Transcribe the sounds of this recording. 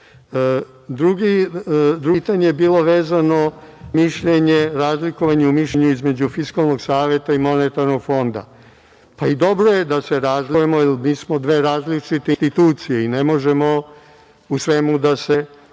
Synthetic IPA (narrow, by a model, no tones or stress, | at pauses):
d̪ɾuɡid̪ɾut̪aɲejebiːlˠo̞ʋeːzano̞miʃʎe̞ɲeɾaːzlikoʋaɲeumiʃʎeɲuizme̞d͡ʑufiskalˠno̞ɡsaːʋje̞t̪aimo̞net̪aɾno̞ɡfo̞nd̪a̰ | paid̪o̞bɾoje̞d̪aseɾaːzlijemoilmiːsmo̞d̪ʋe̞ːɾaːzlit͡ʂit̪enst̪it̪uːt̪sijeinemo̞ʒemo̞ | usʋe̞mud̪ase̞